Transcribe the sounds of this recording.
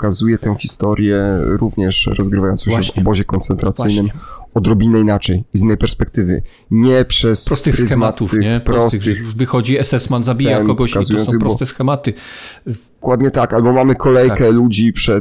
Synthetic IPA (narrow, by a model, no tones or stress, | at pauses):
kazujɛt̪ɛw̃çʲist̪ɔɾʲjɛɾuvɲɛʂɾɔzɡɾɘvajɔnsɔ̃ɕɕɛvɔbɔʑɛkɔnt̪sɛnt̪ɾat̪sɘjnɘmɔd̪ɾɔbʲinɛinat͡ʂɛjizinːɛjpɛɾspɛk̚t̪ɘvɘ̰ | ɲɛpʂɛsɾɔst̪ɾzmat̪ufɛpɾɾɔst̪ɘxvɨxɔd͡ʑiɛsɛsmanzabʲijaɛnkɔɡɔkazujɔnsɨɣpɾɔbɔst̪ɛsxɛmat̪ɨ | kwad̪ɲɛt̪akalbɔmamɘkʰɔlɛjkɛlud͡ʑipʂɛ